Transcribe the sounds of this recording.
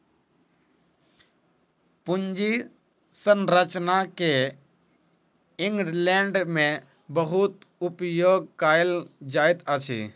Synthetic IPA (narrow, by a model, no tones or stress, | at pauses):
pʊnd͡ʒi | sənɾət͡ʃnake | ɪŋɡɾleɳɖmẽ | bəɦut̪ | ʊpjoːɡ̚kaːeld͡ʒaːjt̪ət͡ʃʰḭː